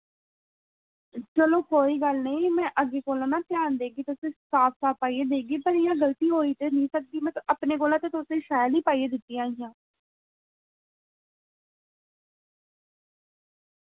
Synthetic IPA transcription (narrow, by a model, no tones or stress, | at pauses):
t͡ʃəlõːkoːiːɡəlnəĩːmɛ̃ːʔəɡeːkoːlõːnãːt̪ɪjaːnd̪eːɡiːt̪ʊsẽːsaːpsaːpaːieːd̪eːɡiːpəɾɪjãːɡəlt̪iːɦoːiːt̪eːnĩːsək̚d̪iːmɛ̃ːəpneːkoːlãːt̪ẽːt̪ʊsẽːʃaːliːpaːieːd̪ɪt̪ːiːãːɪjãː